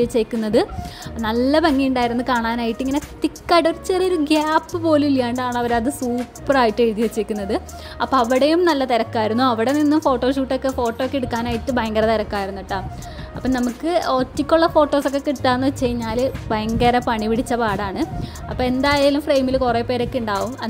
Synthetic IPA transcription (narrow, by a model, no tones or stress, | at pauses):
ɐt͡ɕːejkʲːunːɐðɨnɐlːɐbɐŋːijuɳɖaːjiɾunːɨkaːɳaːnaːjiʈːɨiŋːɐne̞t̪ikːaːɽoɾut͡ɕːerioɾuɡjaːpːɨpo̞ːluiljaːɳɖɨaːɳɐʋɐɾɐðɨsuːpːɐraːjiʈːɨeɾuðijɐt͡ɕːejkʲːunːɐðɨ | ɐpːoɐʋiɽejumnɐlːɐt̪ɐɾɐkːaːjiɾunːuɐʋiɽe̞ninːumfo̞ːʈːo̞ːʂuːʈːo̞kːe̞fo̞ːʈːoːkːeɽukːaːnaːjiʈːɨbɐjŋɡɐɾɐt̪ɐɾɐkːaːjiɾunːiʈːa | ɐpːonɐmukːɨoːtːikʲːuɭːɐfo̞ːʈːo̞ːso̞kːe̞kiɽut̪ːaːenːɐʋt͡ɕːejiɲːaːlbɐjɐŋɡɐɾɐpɐɳipiɽit͡ɕːɐpaːɽaːɳɨ | ɐpːoːe̞nd̪aːjailumfrejmilkureːpːe̞ːɾokːeuɳɖaːʋumɐ